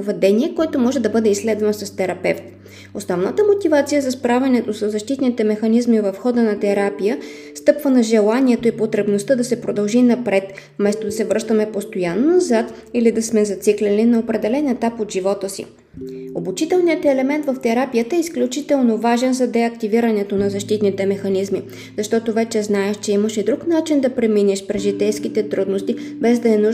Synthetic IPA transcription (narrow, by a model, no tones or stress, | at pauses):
vɛd̪ɛniɛkoɛt̪omɔʒɛd̪ɐbɤd̪ɛislɛd̪vənsɐst̪ɛɾɐpɛft̪ | osnɔvnət̪əmot̪ivat̪sijəzɐspɾavʲɛnɛt̪osəzːɐʃt̪it̪nit̪ɛmɛxɐnizmivɐfxɔd̪ənɐt̪ɛɾapijə | st̪ɤpvənɐʒɛlˠaniɛt̪oipot̪ɾɛbnost̪əd̪ɐsɛpɾod̪ɐlˠʒinɐpɾɛt̪ | fmɛst̪od̪ɐsɛvɾɤʃt̪əmɛpost̪ojanonɐzat̪ilid̪ɐsmɛzɐt̪siklʲɛlinɐopɾɛd̪ɛlɛnɛt̪apod̪ʒivɔt̪əsḭ | obut͡ʃit̪ɛlˠnijət̪ɛlɛmɛnt̪vɐft̪ɛɾapijət̪əɛisklʲut͡ʃit̪ɛlˠnovaʒɛnzɐd̪ɛɐkt̪iviɾənɛt̪onɐzɐʃt̪it̪nit̪ɛmɛxɐnizmi | zɐʃt̪ɔt̪ovɛt͡ʃɛznaɛʃt͡ʃɛiməʃɛd̪ɾuknat͡ʃind̪ɐpɾɛminɛʃpɾɛzʒit̪ɛjskit̪ɛt̪ɾud̪nost̪ibɛzd̪ɐɛnuʒ